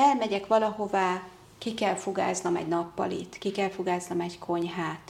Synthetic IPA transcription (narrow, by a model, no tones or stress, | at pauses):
ɛlmɛɟɛkʋɒlɒɦo̞vaː | kikɛlfuɡa̰ːznɒmɛ̰ɟnɒpːɒ̰lḭt̪kikɛlfoɡaːznɒmɛɟkʰo̞ɲɦaːt̪